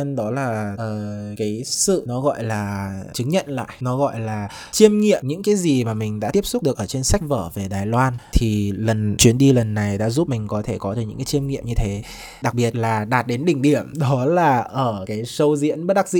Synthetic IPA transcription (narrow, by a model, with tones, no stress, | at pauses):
ə˧nɗɔ˨˦laː˨˩ʔəː˧˩kaː˨˦jsɨ̰˧˨nɔ˨˦ɣɔ̰˧˨jlaː˨˩t͡ɕɨ˨˦ŋɲə̰˧˨nla̰ː˧˨jnɔ˨˦ɣɔ̰˧˨jlaː˨˩ | t͡ɕi˧əmŋḭ˧˨əmɲɨ̰˧˥ŋkaː˨˦jzi˨˩maː˨˩mï˨˩ŋ̟ɗa̰ː˧˥i˦˥əp̚sʊ˦˥k͡p̚ɗɨ˨˩əkʔəː˧˩t͡ɕe˧nsa˦˥k̚vəː˧˩ve˨˩ɗaː˨˩jlwaː˧nt̪ʰi˨˩lə˨˩nt͡ɕwi˨˦ənɗi˧lə˨˩nːa˨˩jɗa̰ː˧˥zu˦˥p̚mï˨˩ŋ̟kɔ˨˦t̪ʰe˧˩kɔ˨˦ɨː˨˩ɲɨ̰˧˥ŋkːaː˨˦t͡ɕi˧əmŋḭ˧˨əmɲɨ˧t̪ʰe˨˦ | ɗa˨˩k̚ɓi˨˩ət̚laː˨˩ɗaː˨˩t̚ɗe˨˦nɗï˧˩ŋ̟ɗi˧˩əmɗɔ˨˦laː˨˩ʔəː˧˩kaː˨˦jsə˧wzḭ˧˥ənɓə˦˥t̚ɗa˦˥k̚zḭ˧˨